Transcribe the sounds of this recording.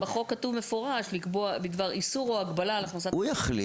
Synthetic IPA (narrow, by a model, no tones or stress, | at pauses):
beχo̞kːatuvmefo̞ʁaʃlikboabid̪vaʁisuʁoaɡbalalaχnasaujaχlḭ